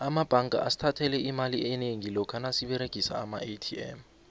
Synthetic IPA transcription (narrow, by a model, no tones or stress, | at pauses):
amab̥ʱaŋkʼa̰ʔasi̥tʰatʰɛlɛimaliɛneŋilɔkʰanasiɓɛɾeɡ̥ʱisa̰ːmaetʰiɛ̰m